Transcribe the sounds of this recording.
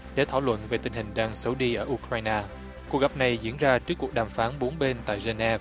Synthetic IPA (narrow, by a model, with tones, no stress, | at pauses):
ɗe˧˩t̪ʰaː˧˩wlwə̰˧˨nve˨˩t̪ï˧˩ŋ̟hï˨˩ŋ̟ɗaː˧ŋsə˨˦wɗi˧ʔəː˧˩ʔu˧kɾaː˧jnaː˧ | ku˨˩k̚ɣa˨˩p̚na˨˩jzḭ˧˥ənzaː˧t͡ɕɨ˦˥əkːu˨˩ək̚ɗaː˨˩mfaː˨˦nɓo˨˦nɓe˧nt̪a̰ː˧˨jze˧nɛ˧v